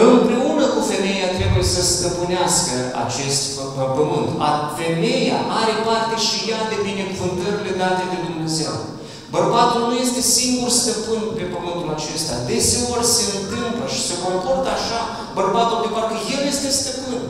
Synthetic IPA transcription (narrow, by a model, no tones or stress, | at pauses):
ɨmpɾe̞unəkufe̞me̞jat̪ɾe̞bujesəst̪əpɨneɪaskə | a̰t͡ʃe̞st̪ | pəmɨnt̪afe̞me̞jaʔaɾe̞part̪e̞ʃijad̪e̞bine̞kuvɨnt̪ərʲle̞ɡat̪e̞d̪e̞d̪umne̞ze̞w | bərbat̪ulnuje̞st̪e̞siŋɡurst̪əpɨnpe̞pəmɨnt̪ulat͡ʃe̞st̪a̰d̪e̞se̞o̞rʲse̞ɨnt̪ɨmpləʃi̥se̞kopo̞rt̪aʃa | bərbat̪uld̪evaɾkəje̞lje̞st̪e̞st̪əpɨn